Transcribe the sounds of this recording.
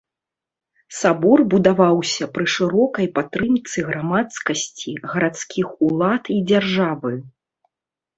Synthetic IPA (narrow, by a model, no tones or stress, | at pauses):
sabɔrbud̪avawsʲɐpɾɨʂɨɾɔkɐjpat̪ɾɨmt̪sɨɣɾamat̪skɐsʲt͡sʲiɣɐɾat̪skʲʰixulˠat̪id͡zʲarʐavɨ